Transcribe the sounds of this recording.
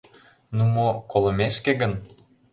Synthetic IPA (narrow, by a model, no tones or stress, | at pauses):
numokolə̆meʃkeɡə̆n